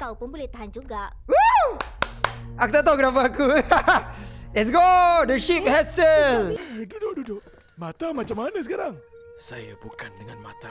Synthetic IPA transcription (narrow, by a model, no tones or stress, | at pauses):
kawpʊnbulɛht̪aɦand͡ʒuɡaʔ | u | akut̪at̪awɡəɾap̬aku | ɛts̬ɡodəʃip̚hɛssəldudodudoʔ | mat̪amat͡ʃamanəs̬əkaɾaŋsa̰ja̰bukandəŋanma̰t̪a